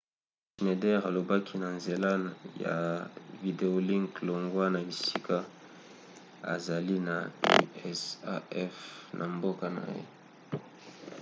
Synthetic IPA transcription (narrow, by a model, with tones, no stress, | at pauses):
ʃi˨ne˨dɛ˦ʁa˨lo˨ba˦kʰi˦na˨nze˨la˦ja̰˨vi˨de˨o˦li˦ŋklo˨ŋɡwa˦na˨i˨si˦ka˦ | a̰˨za˨li˦na̰˨˦ɛ˦sa̰˦ɛ˦fnʔa˨mbo˦ka˨na̰˨jḛ˦